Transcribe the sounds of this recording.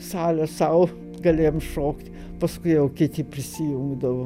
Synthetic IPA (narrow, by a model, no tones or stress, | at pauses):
sɑːlʲɛsɐʊ | ɡɐlʲeːjomʃoːkt̪ʲ | pɐskʊɪjɛʊkʲɪt̪ʲɪpʲɾʲɪsʲɪjuŋɡd̪ɐʋo